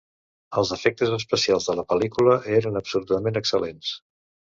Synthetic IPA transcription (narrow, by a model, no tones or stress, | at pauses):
əlˠzəfɛk̚t̪əzəspəsialˠzðələpəlikuləʔeɾənəpsulut̪əmenəksəlens